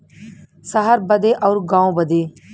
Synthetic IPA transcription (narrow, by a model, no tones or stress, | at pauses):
səɦəɾbəd̪eːʔɔʊɾɡãːõbəd̪eː